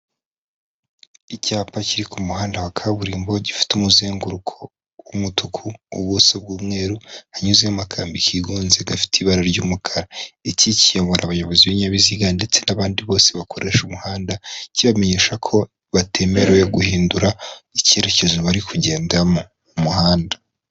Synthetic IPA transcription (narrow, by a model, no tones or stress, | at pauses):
icaːpaciɾikumuhaːndawakʰaβuɾiːmbo̞ɟifi̥tumuzeːŋɡuɾukʰo̞ | wumutukʰuːβwosobɡuːmŋe̞ːɾuhaɲuzejamakʰaːmbikʰiɡuːnze̞ɡafi̥tʰiβaɾaɾɟuːmukʰaɾaicicijaβoɾʔaβajo̞βo̞ziβiɲaβiziɡande̞t͡se̞naβaːndiβo̞ːse̞βakʰo̞ɾʔe̞ːʃumuhaːndaciβameɲeːʃakʰo̞ | βatʰe̞ːme̞ɾweɡuhiːnduɾaice̞ɾe̞ce̞ʒoβaɾikʰuɟe̞ːndamo | umuhaːnda